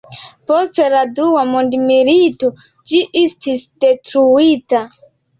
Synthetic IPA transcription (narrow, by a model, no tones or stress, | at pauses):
posteladuwamondimilito | d͡ʒiʔistisdetɾuita